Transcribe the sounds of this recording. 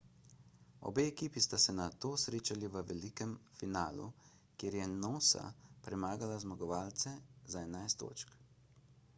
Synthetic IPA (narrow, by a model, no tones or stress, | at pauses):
o̰beɛkiːpist̪asɛnat̪oːsɾeːt͡ʃaliʋəʋɛliːkɛmfinaːlṵ | kjeːɾjɛnoːsa̰pɾɛmaːɡalazmaɡɔʋaːlt̪sɛzaɛnajst̪ːo̰ːt͡ʃk